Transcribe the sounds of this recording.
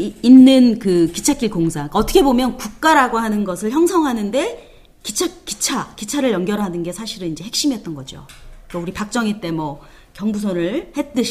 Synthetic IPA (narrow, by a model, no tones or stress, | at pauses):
inːɯnkɯki̥t͡ɕʰak͈iɭkoŋsʰakaʌt͈ʰʌkʰe̞bomjʌnkuk̚k͈aɾaɡoɦanɯnɡʌsʰɯɭçjʌŋsʰʌŋɦanɯnde̞ | kit͡ɕʰak͈i̥t͡ɕʰakit͡ɕʰaɾɯɭjʌŋɡjʌɾɦanɯnɡe̞sʰaɕʰiɾɯnind͡ʑe̞ɦe̞kɕ͈imɦe̞t̚t͈ʌnɡʌd͡ʑo̰ʌuɾipak̚t͡ɕ͈ʌŋit͈e̞mwʌ | kjʌŋbusʰonɯɭhe̞t͈ɯɕ